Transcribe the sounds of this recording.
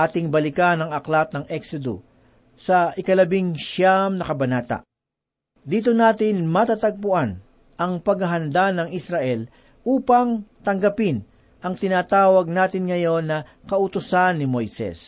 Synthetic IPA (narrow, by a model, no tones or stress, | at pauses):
aːt̪ɪŋbɐlɪkanɐŋɐklat̪̚nɐŋʔɛksod̪o̰ | sɐʔɪkɐlɐbɪŋʃamnɐkɐbɐnaːt̪ɐ̰ | d̪iːt̪̬onaːt̪ɪnmɐt̪at̪ɐɡ̚pʊʔan | ʔɐŋpɐɡɐɦɐnd̪anɐŋɪsɾɐʔɛl | ʔuːpɐŋt̪ɐŋɡɐpɪn | ʔɐŋt̪ɪnaːt̪aːwɐɡ̚naːt̪ɪnŋɐjo̞nːɐ | kɐʔʊt̪ʊsanːɪmo̞jsɛ̰s